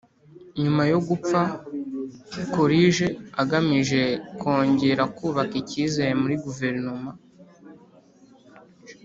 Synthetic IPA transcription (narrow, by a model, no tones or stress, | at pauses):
ɲumajo̞ɡup͡fa | koɾiʒe̞aɡamiʒe̞ko̞ːɲɟe̞ɾakuːβakiciːzajemuɾiɡuve̞ɾnoma